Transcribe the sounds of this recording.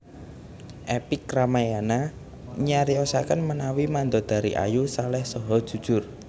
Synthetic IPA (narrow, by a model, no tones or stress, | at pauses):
ʔɛpɪkːramajana | ɲaɾiɔsakənmənawimand̪ɔd̪̥a̤ɾḭʔa̰jusalɛhsɔɦɔd̥ʒ̥ṳd̥ʒ̥ʊr